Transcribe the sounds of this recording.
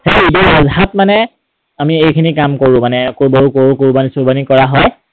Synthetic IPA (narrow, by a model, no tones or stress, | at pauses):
hejidɔazɦatmanɛ | amiejkʰinikamkoɹʊ̃manɛkoboɹukoɹukuɹbanisuɹbanikɔɹaɦɔj